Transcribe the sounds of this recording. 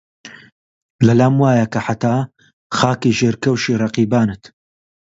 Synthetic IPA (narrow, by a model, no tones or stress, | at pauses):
lɐlaːmwaːjɐkɐħat̪aː | xaːkiʒeːɾkɐwʃiːrɐqiːbaːnɨt̪